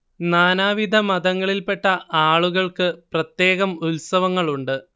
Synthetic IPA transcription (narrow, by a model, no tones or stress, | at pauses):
naːnaːʋid̪ʱɐmɐd̪ɐŋːɐɭilpe̞ʈːɐʔaːɭuɣɐɭkɨprɐt̪je̞ːɣɐmulsɐʋɐŋːɐɭuɳɖɨ